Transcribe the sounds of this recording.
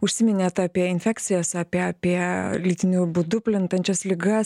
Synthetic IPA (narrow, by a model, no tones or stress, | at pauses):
ʊʃʲsʲɪmʲɪnʲeːt̪ɑːpʲiɛɪnʲfʲæːkt̪sʲɪjoːsɑːpʲiɛɑːpʲiɛlʲiːt̪ʲɪnʲuːbʊd̪ʊpʲlʲɪnt̪ɐnʲt͡ʃʲɛslʲɪɡɐs